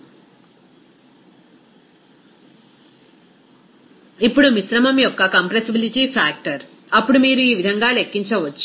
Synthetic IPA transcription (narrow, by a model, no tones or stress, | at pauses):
ipːuɽumisɾɐmɐmjɔkːɐkɐmpɾesibiliʈiːfʰaːk̚ʈɐɾ | ɐpːuɽumiːɾuiːʋid̪ʱɐŋɡaːlekːiɲt͡ʃɐʋɐt͡ʃːu̥